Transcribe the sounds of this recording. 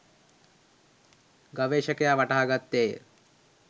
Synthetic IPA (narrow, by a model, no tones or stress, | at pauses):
ɡaʋeːʃəkejaʋaʈaɦːaɡat̪ːḛː